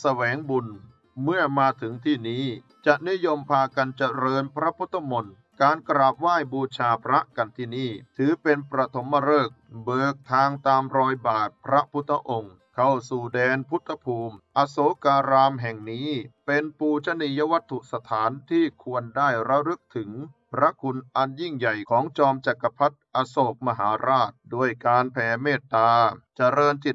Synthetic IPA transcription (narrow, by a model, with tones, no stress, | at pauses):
sa˧wɛː˩˦ŋbu˧n | mɯ˥˩ɐmaː˧t̪ʰɯ˩˦ŋt̪ʰiː˥˩niː˦˥ | t͡ɕa˨˩ʔni˦˥jo˧mpʰaː˧ka˧nt͡ɕa˧ɾɤː˧npʰɾa˦˥pʰu˦˥t̪ʰːa˧mo˧n | kaː˧nkɾaː˨˩p̚waː˥˩jbuː˧t͡ɕʰaː˧pʰɾa˦˥ʔka˧nt̪ʰiː˥˩niː˥˩t̪ʰɯː˩˦pe˧npɾa˧t̪ʰo˩˦mːa˧ɾɤː˥˩k̚bɤː˨˩k̚t̪ʰaː˧ŋt̪aː˧mɾɔː˧jbaː˨˩t̪̚pʰɾa˦˥pʰu˦˥t̪ʰːa˧ʔo˧ŋ | kʰa˥˩wsuː˨˩dɛː˧npʰu˦˥t̪ʰːa˧pʰuː˧mʔa˧soː˨˦kaː˧ɾaː˧mɦɛ˨˩ŋniː˦˥pe˧npuː˧t͡ɕʰa˦˥ni˧ja˦˧˥wa˦˥t̪ʰːu˨˩sa˧t̪ʰaː˩˦nt̪ʰiː˥˩kʰu˧əndaː˥˩jɾa˦˥ɾɯ˦˥k̚t̪ʰɯ˩˦ŋpɾa˦˥kʰu˧nʔa˧nji˥˩ŋja˨˩jkʰɔː˩˦ŋt͡ɕɔː˧mt͡ɕa˨˩kːa˧pʰa˦˥t̪̚ʔa˧soː˨˩k̚ma˧ɦaː˩˦ɾaː˥˩t̪̚du˥˩əjkaː˧npʰɛː˧˩meː˥˩t̪ːaː˧t͡ɕa˧˨ɾɤː˧nt͡ɕ̪i˨˩t̪̚